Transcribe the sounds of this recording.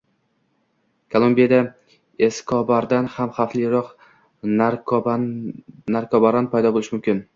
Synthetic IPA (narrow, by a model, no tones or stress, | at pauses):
kʰolˠombijad̪a | eskʰɒbaɾd̪anhamχaflɪɾɒq | naɾkʰɒbaɾanpʰajd̪ɒbolˠɪʃɪmʊmkʲɪn